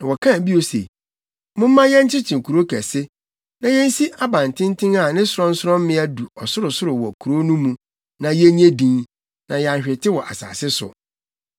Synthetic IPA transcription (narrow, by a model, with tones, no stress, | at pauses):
nã˨wɔ˨kʰã˦˨bi˦o˨sḛ˨ | mʊ̃˦m˦mã˦jɛ̃˦n˦t͡ɕʰɪ˦t͡ɕʰĩ˨kʰu˨ɾo˦kʰæ̰˨sɪ˦ | nã˨jɛ̃˦n̩˦si˦ʔa˦bã˨n˨tʰɪ̃˦n˦tʰɪ̃˦ŋa˨nɪ̃˦sʊ˨ɾɔ̃˦n̩˦sʊ˦ɾɔ̃˦m˦mɪ̃˦æ˦du˨ɔ˨sʊ˦ɾʊ˨sʊ˦ɾʊ˨wɔ˨kʰu˨ɾo˦nũ˦mũ˨ | nã˨jɛ˦ɲ˦e˦dĩ˨n | nã˨ja˨ɕᶣɪ˨tʰɪ˦wɔ˨ʔa̰˨sa̰ː˨sɪ˦sʊ̰˨